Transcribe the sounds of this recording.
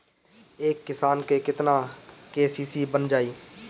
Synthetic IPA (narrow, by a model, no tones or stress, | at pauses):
eːkːɪsaːnkeːkɪt̪nãːkeːsiːsiːbənd͡ʒaːiː